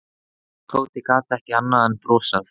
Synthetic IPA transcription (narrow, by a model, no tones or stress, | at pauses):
t̪ʰoːwt̪ɪkaːt̪aɛhcɪanːaðɛnpɾɔːsaθ